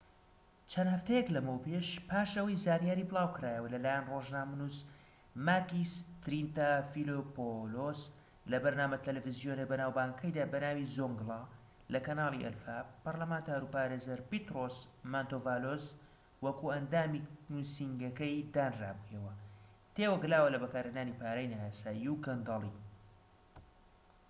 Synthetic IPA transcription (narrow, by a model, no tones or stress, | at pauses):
t͡ʃʰɐnhɐft̪ʰɐjɛklɐmɨwpeʃpʰaːʃɐwɐjzaːnijaːɾiːbɨlˠaːwkɾaːjɛwɐlɐlaːjɛnroːʒnaːmɐnus | makist̪ɾint̪afilopolos | lɐbɐɾnaːmɐt̪ɐlɛvɨzjonɐbɐnaːwbaːŋkʰɐjd̪aːbɐnaːwizoŋɡlˠa | lɐkɐnaːlˠiʔɛ̰lfapɐɾlɐmaːnt̪aːɾupaːɾeːzɐɾpit̪ɾosmant̪ovaːloz | wɐkuɐnd̪aːminusiŋɡɐkɐjd̪aːnra̰ːbujɐwɐ | t̪eːwɐɡɨlaːwɐlɐbɐkaːɾenaːnipaːɾajnaːjaːsaːjiwɡɐnd̪ɑlˠi